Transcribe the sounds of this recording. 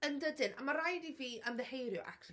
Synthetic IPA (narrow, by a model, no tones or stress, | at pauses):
əndədɪnʔa̰maɾajdiviːənðɛhejɾjʊʔa̰kʰr